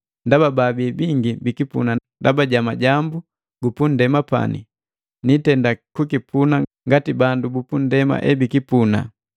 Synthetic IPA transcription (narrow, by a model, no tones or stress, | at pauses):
ndabababibiŋɡibikipṵnandabaɟamaɟambu | ɡupun̩dɛmapa̰nḭ | nitɛndakukipʰunaŋɡatibandubupun̩dɛma̰ʔɛbikipuna̰